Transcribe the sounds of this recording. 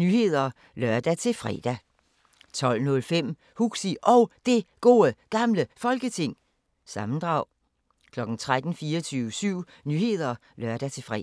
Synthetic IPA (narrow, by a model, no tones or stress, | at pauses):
nyːhe̝ð̞̰ˠɐ | lɶɐd̥æt͡sʰe̝lfʁɛ̰d̥æ | t͡sʰɒ̽l̰nɔ̽lfem̰ | huɡ̥siʔɒ̽ʊd̥e̝ɡ̥o̝ːəɡ̥ɑ̈mləfɒ̽lɡ̥ət͡sʰe̝ŋ̰ | sɑ̈mn̩d̥ʁɑ̈ʊ̰ | kʰlɒ̽ɡ̥n̩t͡sʰʁad̥n̩fiːɐt͡sʰyːʊəsyʊ̰ | nyːhe̝ð̞̰ˠɐ | lɶɐd̥æt͡sʰe̝fʁɛ̰